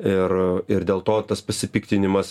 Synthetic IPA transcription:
ɪrɪɾd̪ʲeːlˠt̪oːt̪ɐspɐsʲɪpʲiːkt̪ʲɪnʲɪmɐs

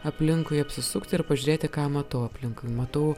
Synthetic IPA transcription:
ɐpʲlʲɪŋkʊɪɐpʲsʲɪsʊkt̪ʲɪɪɾpɐʒʲyːɾʲeːt̪ʲɪkɑːmɐt̪ɐʊɐpʲlʲɪŋkʊɪmɐt̪ɐʊ

